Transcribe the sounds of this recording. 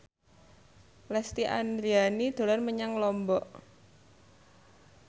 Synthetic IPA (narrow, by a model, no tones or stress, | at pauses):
lɛst̪iʔa̰nd̪ɾianid̪̥o̤lanməɲaŋlɔmbɔʔ